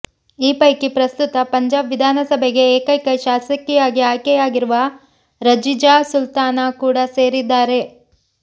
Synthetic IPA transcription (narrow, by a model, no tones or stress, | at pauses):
iːpɐjkipɾɐst̪ut̪ɐpɐɲd͡ʒaːbʋid̪ʱaːnɐsɐbʱeɡe̞eːkɐjkɐjʃaːsɐkːijaːɡiaːjkɛjaːɡiɾuʋɐ | ɾɐd͡ʒid͡ʒaːsult̪aːnakuːɽɐse̞ːɾid̪ːaːɾe̞